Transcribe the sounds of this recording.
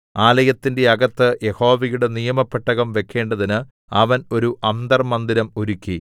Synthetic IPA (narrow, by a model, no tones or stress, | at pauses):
aːlɐjɐt̪ːinde̞ɐɡɐt̪ːɨje̞ho̞ːʋɐjuɽe̞nijɐmɐpːeʈːɐɣɐmʋe̞kʰːe̞ːɳɖɐðinɨ | ɐʋɐno̞ɾuʔɐnd̪ɐrmɐnd̪iɾɐmuɾukʲːi